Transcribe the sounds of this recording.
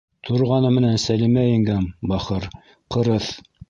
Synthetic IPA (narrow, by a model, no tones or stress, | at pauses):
t̪ʰŏɾʁɑnɤmɘ̆nænsælimæɘ̆ŋɡæmbɑχɤɾ | qɤ̆ɾɤθ